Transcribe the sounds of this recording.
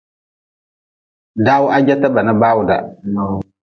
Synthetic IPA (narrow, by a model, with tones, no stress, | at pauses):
da˦wʊ˦ʔa˦d͡ʒɛ˦ta˦ba˨nɨ˦baː˦wʊ˨da̰˨